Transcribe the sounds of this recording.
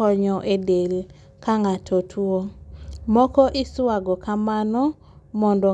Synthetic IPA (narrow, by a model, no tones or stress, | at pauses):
ɔɲɔʔedel | kaŋatʰotʰuomɔkɔʔɪswaɡɔkamanɔ | mɔndɔ